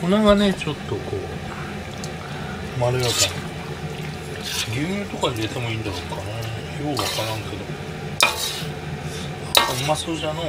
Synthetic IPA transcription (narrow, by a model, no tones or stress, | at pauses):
konaɡane̞t͡ɕo̞t̪ːo̞kʰo̞̰ː | maɾɯjak̪an | ɡʲɨːmʲɨːt̪o̞kaɲid̪e̞t̪emoĩːnd̪aɾoːkana | joβakaɾãŋke̞d̪o̞ | amasoʑano